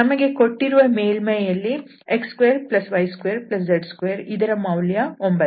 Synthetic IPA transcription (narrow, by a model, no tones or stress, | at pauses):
nɐmɐɡe̞ko̞ʈːiɾuʋɐme̞ːlmɐjjɐlːi | ekskʋeːɾplɐsʋɐjskʋeːɾplɐs̬d͡ʒɐɖskʋeːɾid̪ɐɾɐmɐwljɐombɐ